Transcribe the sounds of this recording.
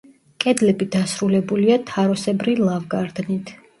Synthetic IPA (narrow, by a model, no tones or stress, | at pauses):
kʼɛd̪lɛbid̪asɾulɛbuliat̪ʰaɾɔsɛbɾilˠavɡaɾd̪nit̪ʰ